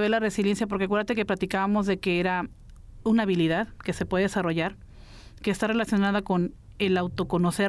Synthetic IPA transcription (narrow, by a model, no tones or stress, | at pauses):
βelare̞silje̞nsjapoɾkeakwe̞ɾðat̪ekeplat̪ikaβamo̞zðe̞ke̞eɾa | unaːβiliðaðke̞se̞pweðeesaro̞ʝaɾ | ke̞ːst̪are̞lasjo̞naðako̞n | e̞lawt̪o̞ko̞no̞se